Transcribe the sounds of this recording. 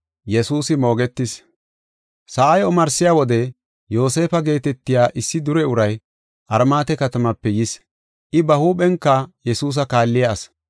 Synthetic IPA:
jɛsuːsɪmo̞ːɡɛt̪ːɪs | sɐʔajɔmɐɾsɪjaːwɔd̪ɛ | jo̞ːse̞ːfɐɡe̞ːt̪ɛt̪ːɪjaːʔɪsːɪd̪ʊɾɛʊɾɐj | ʔɐɾmaːt̪ɛkɐt̪ɐmɐpːɛjɪs | ʔɪbɐhuːpɛŋkːɐjɛsuːs̬ɐkaːlːɪjaːs

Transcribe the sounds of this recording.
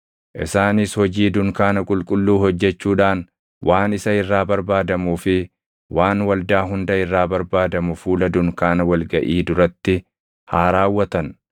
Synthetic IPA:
ʔɪsaːnɪshɔd͡ʒiːd̪ʊŋkaːnɐkʼʊlkʼʊlːuːhɔd͡ʒːɛt͡ʃːuːᶑaːn | wʔaːnɪsɐɪrːaːbɐɾbaːd̪ɐmuːfɪ | waːnwɐld̪aːɦʊnd̪ɐɪrːaːbɐɾbaːd̪ɐmʊfuːlɐd̪ʊŋkaːnɐwɐlɡɐʔiːd̪ʊɾɐt̪ːɪ | haːɾaːwːɐt̪ɐn

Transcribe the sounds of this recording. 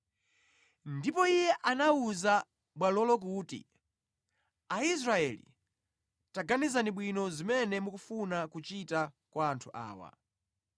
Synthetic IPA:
ndipɔijɛʔanauza | ɓwalɔlɔk̬uːtḭ | ais̬ɾaɛlḭ | taɡanizaniɓwinɔzimɛnɛmukufunakut͡ʃita | kwaːntʰuʔa̰ːwa̰

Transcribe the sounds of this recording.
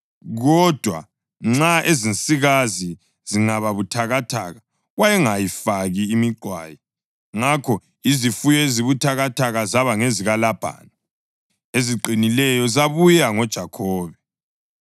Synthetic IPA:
ɣɔd̥ʱwa̰ | ŋ͡ǁaʔezinsʼiɣazi | ziŋaβaβutʰaɣatʰa̰ɣa | ɣwajɛŋajifaɣiːmiɡ͡ǀʱwa̰ːjɛ | ŋakʰɔ | izifujɔeziβutʰaɣatʰaɣazaβaŋeziɣalab̥ʱa̰ːna | eziǃinilɛjɔzaβujaŋɔd̥ʒ̥ʱakʰɔːβɛ

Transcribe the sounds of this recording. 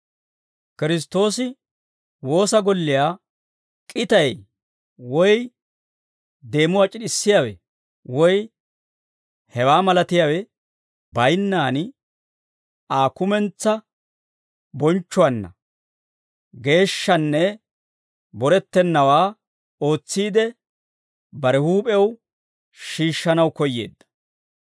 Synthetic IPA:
kɪɾɪs̬t̪o̞ːsɪ | wo̞ːsɐɡɔlːɪjaː | kʼɪt̪ɐj | wɔj | d̪e̞ːmʊwaːt͡ʃʼɪɗɪsːɪjaːwɛ̰ | wɔj | hɛwaːmɐlɐt̪ɪjaːwɛ | bɐjnːaːn | aːkʊmɛnt͡sːɐ | bɔnt͡ʃːʊwɐnːɐ̰ | ɡe̞ːʃːɐnːɛ | bɔɾɛt̪ːɛnːɐwaː | o̞ːt͡sːiːd̪ɛ | bɐɾɛhuːpʼɛw | ʃiːʃːɐnɐwkɔjːḛːd̪ːɐ̥

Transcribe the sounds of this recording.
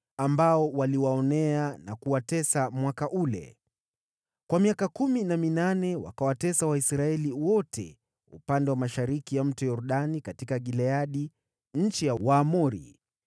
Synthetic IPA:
ambaɔwaliwaɔnɛanakuwatɛsamwakaʔulɛ̰ | kwamiakakuminaminanɛwa̰kawatɛsawaisɾaɛliwɔtʰɛ̰ | ṵpandɛwamaʃaɾikijam̩tɛjɔɾɗanikatikaɠilɛaɗi | ɲ̩t͡ʃijawaːmɔɾḭ

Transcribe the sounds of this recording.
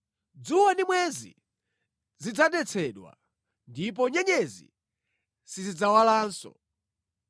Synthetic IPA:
d͡zuwandimwɛzḭ | zid͡zaɗɛt͡sʰɛɗwa̰ | ndip̬ɔɲɛɲɛzḭ | sizid͡zawalaːnsɔ̰

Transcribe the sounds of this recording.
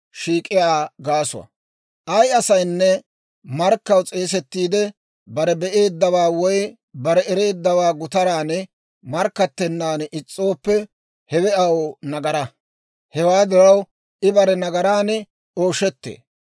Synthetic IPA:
ʃiːkʼːɪjaːɡaːsʊ̰wɐ̰ | ʔɐjɐsɐjnːɛ | mɐɾkːɐwt͡sʼe̞ːs̬ɛt̪ːiːd̪ɛ | bɐɾɛbɛʔe̞ːd̪ːɐwaːwɔj | bɐɾɛɛɾe̞ːd̪ːɐwaːɡʊt̪ɐɾaːnɛ | mɐɾkːɐt̪ːɛnːaːnʔɪt͡sʼːo̞ːpːɛ | hɛwɛɐwonɐɡɐɾɐ | hɛwaːd̪ɪɾɐw | ʔɪbɐɾɛnɐɡɐɾaːnɛ | o̞ːʃɛt̪ːḛː

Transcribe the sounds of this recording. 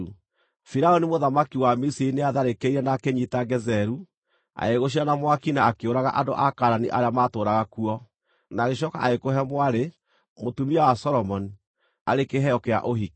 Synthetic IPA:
u | fiɾaonimoðamakiwamisiineaðaɾekeiɾɛnakeɲitaɡɛzɛɾu | a̰eɣoɕ̬ianamwakinaːkeoɾaɣa̰ʔando̰ʔakaɾaniʔaɾeamatoːɾaɣakuɔ | naɣeʃɔka̰ʔaekoɦɛmwaɾe | motumiawasɔɾɔmɔni | a̰ɾekeɦɛɔkea̰ʔoɦik

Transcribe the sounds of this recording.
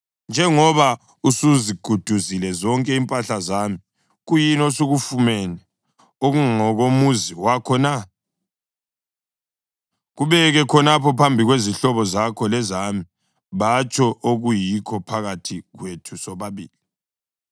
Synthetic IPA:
nd͡ʒʱɛŋɔβa | usuziɡ̥ʱud̥ʱuzilɛzɔŋkʼɛimpʼaɬazami | ɣujinosuɣufumɛnɛ | oɣuŋɔɣomuziwakʰɔna | ɣuβɛɣɛkʰɔnapʰɔpʰambʱiɣweziɬɔβɔzakʰɔlɛzami | βat͡ʃʰʼɔʔoɣujikʰɔpʰaɣatʰiɣwetʰusɔβaβiːli

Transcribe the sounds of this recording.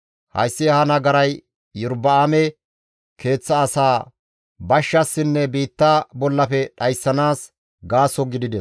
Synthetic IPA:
hɐ̰jsːɪhɐnɐɡɐɾɐj | jʊɾbɐaːmɛ | ke̞ːt͡sːɐːsaː | bɐʃːɐsːɪnːɛbiːt̪ːabɔlːɐpɛɗɐjsːɐnaːs | ɡaːsɔɡɪd̪ɪd̪ɛs

